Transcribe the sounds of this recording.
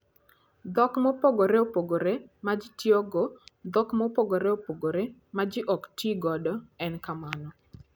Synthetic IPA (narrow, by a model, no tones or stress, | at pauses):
d̪ɔkmɔpoɡoɾɛopoɡoɾemad͡ʒɪtjoɡɔd̪ɔkmɔpoɡoɾɛopoɡoɾemad͡ʒɪʔɔktiɡɔdɔɛnkamanɔ